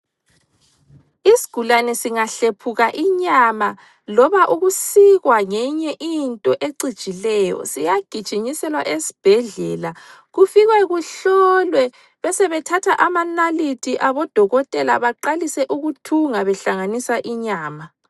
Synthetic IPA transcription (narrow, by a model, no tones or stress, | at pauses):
isi̥ɡ̥ʱulanɛsiŋaɬepʰuɣaʔiɲama | lɔβaʔuɣusiɣwaŋɛɲɛʔintʼɔʔeǀid̥t͡ʃʼilɛjɔ̰sijaɡ̥ʱid̥ʒ̥ʱiɲisɛlwaʔesi̥b̥ʱɛɮɛːla | ɣufiɣwɛɣuɬɔlwɛ | βɛsɛβɛtʰatʰaʔamanalitʰiʔaβɔd̥ʱɔɣɔtʼɛlaβaǃalisɛʔuɣutʰuŋaβɛɬaŋanisaʔiɲaːma